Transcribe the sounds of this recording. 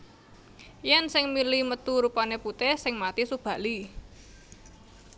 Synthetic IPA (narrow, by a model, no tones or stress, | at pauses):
jɛnsɪŋmilimət̪uɾupaneput̪ɛsɪŋmat̪isub̥ä̤li